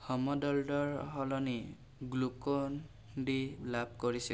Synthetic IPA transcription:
hɔmɔdɔldɔɹɔɦɔlɔni | ɡlukɔn | dilab̚koɹisil

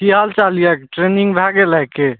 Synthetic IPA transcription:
iɦalt͡ʃalijakʈɾeniŋɡbʱaɡelajke

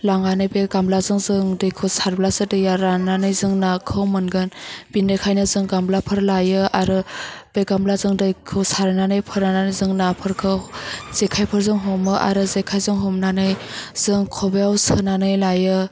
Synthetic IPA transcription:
laŋanɯjbeɡamblazɯŋzɯŋdɯjkʰɯwsaɾblasɯdɯjaɾananɯjzɯŋnakʰɯwmɯnɡɯnb̥inɯjkʰajnɯzɯŋɡamblapʰɯɾlajɯaɾɯb̥eɡamblazɯŋdɯjkʰɯwsaɾnanɯjpʰɯɾnananɯzɯŋnapʰɯɾkʰɯwz̥ekʰajpʰɯɾzɯŋɦɔmɯʔa̰ɾɯzekʰajzɯŋɦɔmnanɯj | z̥ɯŋkʰɔbeawsɯnanɯjlajɯ

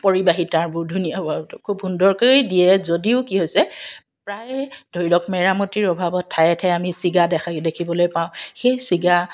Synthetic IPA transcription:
poɹibaɦitaɹbʊɹdʱunijabɔkʰubɦundɔɹkojdiɛzodiʊkiɦojsɛ | pɹajd̥ʱojlɔkmɛɹamotiɹɔbʱabɔtʰːajɛtʰɛamisiɡadɛkʰadekʰibɔlojpaʊ̃xejsiɡa

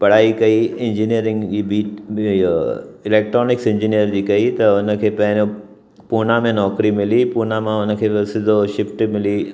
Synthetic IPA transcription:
pɐɽ̤aːikɐiɪ̃ɲd͡ʑinijəɾɪ̃ŋɡd͡ʑiːbiː | ɪleːk̚ʈɾɔːnɪksɪ̃ɲd͡ʑinijəɾd͡ʑiːkɐit̪ɐʊnə̆kʰeːpɐ̃ɦɪ̃no | puːnamẽnɔːkɾimɪlipuːnamãʊnəkʰeːsɪdʱoʃɪpʈmɪli

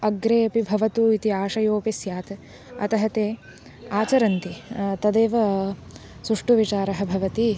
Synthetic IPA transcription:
ɐɡɾeːɐpibʱɐʋɐt̪uit̪iaːʃɐjoːpisjaːt̪ | ɐ̰t̪ɐɦɐt̪eː | aːt͡ʃɐɾɐnt̪it̪ɐd̪eːʋɐ | suʂʈuʋit͡ʃaːɾɐɦɐ̆bʱɐʋɐt̪i

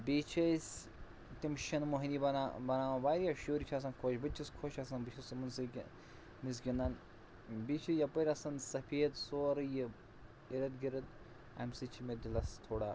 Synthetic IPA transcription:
bit͡ʃʰɐsʲ | t̪ʲimʃɐnmoɦinibɐnbɐnaːʋɐbaːɾijaʃoːɾit͡ʃʰas̬ɐnkʰoːʃbɨt͡ʃʰːiskʰoːʃɐsɐnbɨt͡ʃʰismunsɨ | mis̬ɡʲinːaːn | bit͡ʃʰijɐpɐɾʲɐsɐnsɐpʰeːd̪soːɾɨjɨ | iɾɐd̪ɡiɾɐd̪ | ɐ̰msɨt͡ʃʰimed̪ilɐst̪ʰoːɽaː

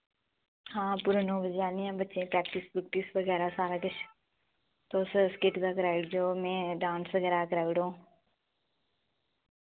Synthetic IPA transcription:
hãːpʊɾnõːʋəd͡ʒaːniɛ̃ːbətːʃẽpɾɛːkʈɪsbʊk̚ʈ̪isʋəɡɛːɾasaːɾakət͡ʃʰ | t̪oːsskɪʈd̪akɾaːɪɽd͡ʒoːmẽːɖãːnsʋəɡɛːɾakɐɾaːɽõː

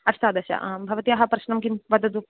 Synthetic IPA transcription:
ɐst̪aːd̪ɐʃa̰ʔbʱɐʋɐt̪ijɐɦɐpɾɐʃnɐmkinʋɐd̪ɐd̪u

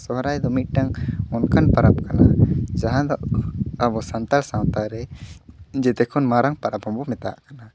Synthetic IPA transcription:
sɔɦɾajd̪ɔmic̪̚ˀʈaŋɔnkanpaɾap̚kanad͡ʒaɦãd̪ɔʔabɔsant̪alsãwt̪aɾɛ | d͡ʒɛt̪ɛkʰɔnmaɾaŋpaɾaphɔmbɔmɛt̪aa̰ʔkana

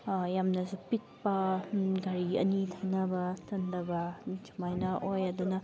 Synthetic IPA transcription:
jamnɐzupit̚pɐɡaɾiɐ̰nitʰajnɐbɐtɐnd̪ɐbɐt͡ʃu̥majnɐʔojɐd̪unɐ

